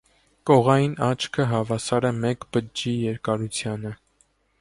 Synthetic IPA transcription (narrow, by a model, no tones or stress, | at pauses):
kɔʁɑjinɑt͡ʃʰkʰəɦɑvɑsɑɾɛmɛkbəd͡ʒijɛɾkɑɾut͡sʰjɑnə